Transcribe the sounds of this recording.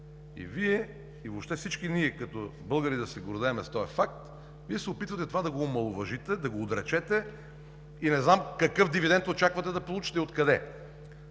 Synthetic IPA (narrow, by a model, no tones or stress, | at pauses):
ḭviɛ | ivopʃt̪ɛfsit͡ʃkiniɛkɐt̪ɔbɤlˠɡəɾid̪ɐsɛɡoɾd̪ɛːmɛst̪ɔɛfak̚t̪ | viɛsɛopit̪vɐt̪ɛt̪ovad̪ɐɡoːmɐlˠʊvɐʒit̪ɛd̪ɐɡoːd̪ɾɛt͡ʃɛt̪ɛ | inɛznamkɐkɤfd̪ivid̪ɛnt̪ot͡ʃakvɐt̪ɛd̪ɐpolˠut͡ʃi̥t̪ɛot̪kɐd̪ɛ